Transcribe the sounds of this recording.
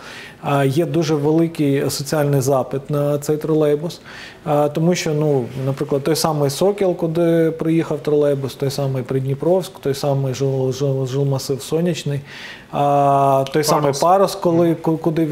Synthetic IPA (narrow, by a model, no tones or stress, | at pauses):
jɛd̪uʒɛʋelˠɪkɪjsɔt͡sʲiɑlʲnɪjzɑpɪt̪nɐt̪sɛjt̪ɾɔlˠɛjbʊs | t̪ɔmuʃʲt͡ʃɔnunɐpɾɪklˠɐd̪̚t̪ɔjsɑmɪjsɔkʲilˠkʊd̪ɪpɾɪjixɐwt̪ɾɔlˠɛjbʊst̪ɔjsɑmɪjpɾɪd̪ʲnʲipɾɔwskt̪ɔjsɑmɪjʒɪlˠʒʒɪlˠmɐsɪwsɔnʲit͡ʃnɪj | t̪ɔjsɑmɪjpɑɾɔskɔlˠɪkkʊd̪ɪ